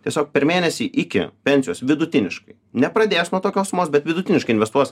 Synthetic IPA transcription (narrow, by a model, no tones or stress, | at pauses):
t̪ʲiɛsʲoːk̚pʲɛɾmʲeːnʲɛsʲiːʔɪkʲɪ̰pʲɛnʲsʲɪjoːsʋʲɪd̪ʊt̪ʲɪnʲɪʃkɐɪnʲɛpɾɐd̪ʲeːjsnuɔt̪oːkʲoːsʊmoːsbʲɛt̪ʋʲɪd̪ʊt̪ʲɪnʲɪʃkɐɪnʋʲɛst̪uɔs